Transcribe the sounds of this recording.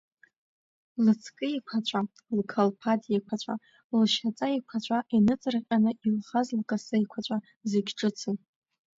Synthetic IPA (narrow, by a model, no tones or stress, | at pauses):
lɨt͡sʰkʼɨikʷʰat͡ɕʷʼa | lkʰalpʰatʼjekʷʰat͡ɕʷʼa | lʃat͡sʼaikʷʰat͡ʃʷʼaʔinɨt͡sʼɨrqʲʼanɨilχazlkʼasɨikʷʰat͡ɕʷʼa | zeɡʲʈ͡ʂʼɨt͡sʰɨ